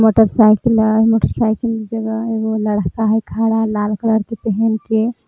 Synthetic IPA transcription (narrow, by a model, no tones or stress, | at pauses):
moʈəɾsajkilmoːʈəɾsajkild͡ʒəɡəeɡoləɽɦkaɦɛkʰaɽalalkləɽkepɛɦɛnke